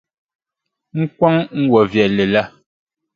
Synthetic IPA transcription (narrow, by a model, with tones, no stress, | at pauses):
ŋ̩˦kwa˦ŋŋ̩˦wɔ˨vjɛ˨le˨la˦˨